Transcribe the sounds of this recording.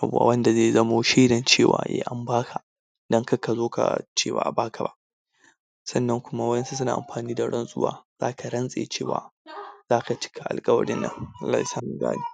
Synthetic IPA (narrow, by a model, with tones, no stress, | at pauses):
ʔa˨bu˨a̰˨wɐ˦nda˨zeː˦˨zɐ˦moː˦ʃi˦dɐ˨nt͡ʃeː˦˨wa̰ː˨jʔḛː˦ʔa˨mbaː˦kʰa˨ | dɐ˦ŋkɐ˦ka˨zoː˦ka̰˨t͡ʃeː˦wa̰ː˨ʔa˨baː˦kʰa˨ba̰˦ʔ | sɐ˦˨nːɐ˦ŋkʷʊ˦ma˦wɐ˦jɐ˦nsu˦s̬ʊ˦na̰ː˨ʔa̰˨mɸaː˨niː˦da˨ɽɐ˦nsʼʊ̰˦wa̰ː˦z̥aː˦kʰa˨ɽɐ˦nsʼe˨˦t͡ʃeː˨wa̰ː˨z̥aː˦ka˨t͡ʃɪ̥˦kʰa˨ʔa̰˨lkʼɐ˦wɐ̰˦ɽɪ˦nːɐ̰˦ŋʔa˦lːaː˨hi˨saː˦mʊ˨ŋɡa̰ː˦ni˦˨